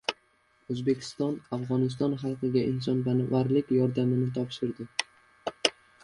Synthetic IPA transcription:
ɵzbe̞kʲʰɪ̥st̪ɒnafʁɒnɪs̬t̪ɒnχɑlˠqɨɡʲaʔɪnsɒnbanɪvaɾlɪkʲjɒɾd̪amɪnɪt̪ʰɒpʃɪɾd̪ɪ

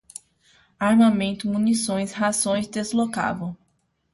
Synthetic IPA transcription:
aɾmamẽnt̪ʊmũnisõj̃shazõj̃szd̪ezloka̰vɐ̃w̃

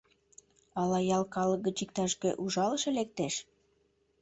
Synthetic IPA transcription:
ɑlɑjɑlˠkɑlɤ̆ɡə̆t͡ɕikt̪ɑʃkøʔuʒɑlɤ̆ʃĕlek̚t̪eʃ

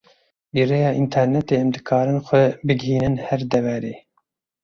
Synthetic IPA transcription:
biːrejɑːʔint̪ʰɛɾnɛt̪eːɛmd̪ɨkʰɑːɾɨnxʷɛbɨɡhiːnɨnhɛɾd̪ɛvɛɾeː

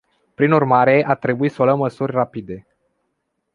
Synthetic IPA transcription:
pɾinurmaɾe̞ʔat̪ɾe̞buisəoləmːəsurʲrapid̪e̞

